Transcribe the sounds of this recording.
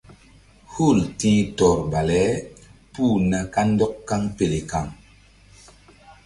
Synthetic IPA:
hu˦˨ltĩː˦tɔ˨ɾba˨lɛ˦puː˦˨na˨ka˦ndɔ˦kːa˦ŋpe˨le˨ka˨ŋ

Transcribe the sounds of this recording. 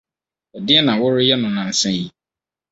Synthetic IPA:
ɛ˨dɪ˦ɛ˦nã˨wʊ˦ɾɪ˦jɛ˦nʊ̃˨nã˨n̩˨˦sɛ̃˦ji˦

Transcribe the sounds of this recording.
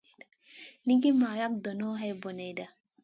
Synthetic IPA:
ni˦ɡi˦maː˨ja˦k̚d̪ɔ˨nɔ˦ɦɛ˦bo˨ne˨˦da˨

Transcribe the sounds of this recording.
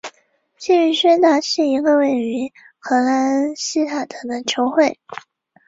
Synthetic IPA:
ɕi˥˧y˥˩ɕɥɛ˥na˥ʂɻ̩˥˩i˧˥ɡə˧we˥˩ɪy˧˥ | xɤ˧˥la˧˥nɕi˥t̪ʰa˨˩d̪ə˧˩˦d̪ə˧˥t͡ɕʰjo˧˥ʊxwe˥˩ɪ

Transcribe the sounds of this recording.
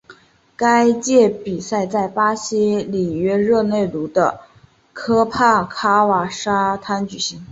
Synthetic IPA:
ka˥ɪt͡ɕjɛ˥˩pi˨˩sa˥˧ɪt͡sa˥˩ɪpa˥ɕi˥li˨˩ɥɛ˥ɻɤ˥˧ne˥˩ɪlu˧˥d̪ə˧ | kʰɤ˥pʰa˥˩kʰa˥wa˧˥˩ʂa˥t̪ʰa˥nt͡ɕy˨˩ɕi˧˥ŋ

